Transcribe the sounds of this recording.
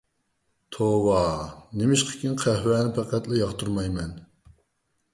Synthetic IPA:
t̪ʰowɑnɪmɪʃqʰə̥kʲinqʰæhwɛːnɪpʰæqæt̪lɪjɑχt̪ʰuɾmɑjmɛn

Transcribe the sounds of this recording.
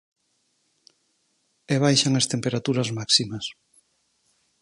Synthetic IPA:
eβ̞ajʃaŋɐst̪empeɾat̪uɾɐzmaksimɐs

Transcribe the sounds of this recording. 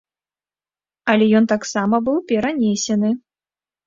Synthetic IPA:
ɐlʲɛjɔnt̪aksamɐbɨwpʲɛɾanʲesʲɛnɨ

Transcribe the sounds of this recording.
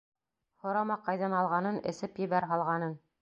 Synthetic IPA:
hŏɾɑmɑqɑjðɑnɑlˠʁɑnɤnɘ̆sɘpjɘ̆βæɾɦɑlˠʁɑnɤn

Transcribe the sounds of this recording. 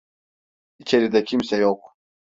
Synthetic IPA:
it͡ʃʰeɾid̪ɛcʰimsɛjoq̚

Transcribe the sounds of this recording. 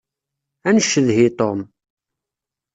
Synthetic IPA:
ænəʃːəðɦit̪ˤom

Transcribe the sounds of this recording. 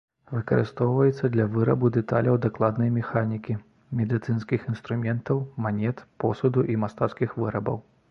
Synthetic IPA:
vɨkɐɾɨ̰st̪ɔwvɐjɛt̪sːɐd̪lʲɐvɨɾɐbud̪ɛt̪a̰lʲɐwd̪aklˠad̪nɐjmʲɛxanʲikʲi | mʲɛd̪ɨt̪sɨnskʲixinst̪ɾumʲɛnt̪ɐwmanʲɛt̪pɔ̰sud̪uʔimast̪at̪skʲixvɨɾɐbɐ̰w

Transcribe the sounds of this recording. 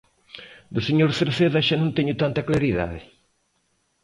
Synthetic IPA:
d̪ʊseɲoɾθeɾθeðaʃanõnt̪eɲʊt̪ant̪ɐklaɾiða̰ðɪ

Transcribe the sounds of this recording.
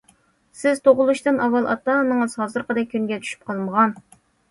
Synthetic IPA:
sɪzt̪ʰoʁʊlˠuʃt̪ɨnɑwːɑlˠʔɑ̰t̪ɑnɨŋɨz̥hɑzɨɾqəd̪ɛkʲʰːynɡʲɛt͡ʃ̪ʰy̥ʃy̥p̚qʰɑlˠməʁɑn

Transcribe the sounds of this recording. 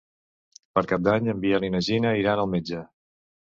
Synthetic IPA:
pəɾkap̚d̪aɲəmbiəlinəʒinəiɾanəlˠmed͡ʒə

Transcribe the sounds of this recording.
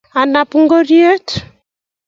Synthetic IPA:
anapuŋɡoɾietu̥

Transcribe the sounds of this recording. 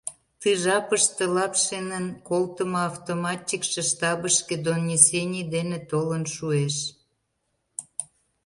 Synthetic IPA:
t̪ɨʒɑpəʃt̪ĕlɑpʃenənkolt̪əmoɑft̪omɑt̪ʲikʃĕʃt̪ɑbəʃked̪onʲːisenʲid̪enet̪olənʃueʃ

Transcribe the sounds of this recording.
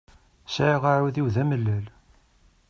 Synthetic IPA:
saiʁaʕuðiwðæməlːæl

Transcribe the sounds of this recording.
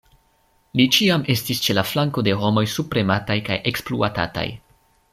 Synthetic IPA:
lit͡ʃiame̞stist͡ʃe̞laflaŋko̞de̞ɦo̞mo̞jsupɾe̞matajkajʔe̞kspluata̰ta̰j

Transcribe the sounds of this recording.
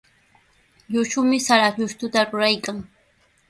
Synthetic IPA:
ʎʊʃʊmɪsaɾat͡ʃʊʃt̪ʊt̪aɾʊɾajkaŋ

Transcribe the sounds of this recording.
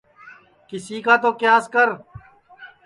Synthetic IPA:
kɪsiːkaːt̪oːkɪjãːskəɾ

